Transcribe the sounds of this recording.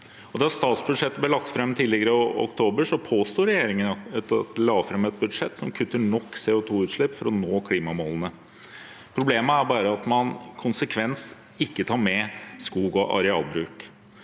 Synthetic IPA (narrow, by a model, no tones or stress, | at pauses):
ɔd̪ɛɑst̪ɑːt̪sbʉd̪ʂɛt̪ːəblɛːlɑk̚t̪fɾɛmːt̪ʰiːd̪ɪɡəɾəɔɔ̰kt̪ʰoːbəʂɔpʰoːst̪uːɾɛjeːɾɪŋənɑɛt̪t̪lɑːɡfɾɛmːɛt̪̚bʉd̪ʂɛt̪ːsɔmkʰʉt̪ːəɳɔkːseːʊt̪ʰuːʉːt̪ʂɭɪpːfɔɾɔnoːkʰliːmɑmɔlənə | pʰɾʊbleːməæɾbɑːɾəɑt̪mɑnkʰʊnsəkʰʋɛns | ɪkːət̪ʰɑːɾmɛskuːɡɔʔɑ̰ɾɛɑ̰ːlbɾʉːk